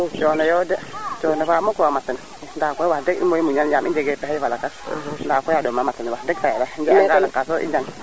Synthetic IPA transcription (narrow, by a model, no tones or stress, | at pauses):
t͡ʃonɔjodet͡ʃonefamokuwamatən | ndakʷowadeɡḭmoimuɲanɲamid͡ʒeɡepɛhivalakasndakʷoadomːamatənwadeɡ̚tajadand͡ʒeaɡanakːas̬oʔḭd͡ʒaŋ